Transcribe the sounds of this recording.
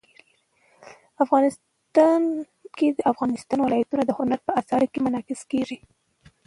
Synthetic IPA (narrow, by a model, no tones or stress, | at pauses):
afɣɑnɪs | t̪ɑn | ked̪əʔafɣɑnɪst̪ɑnwɪlɑjat̪unad̪əhʊnaɾpəasɑɾikemanɑkɪskeʐi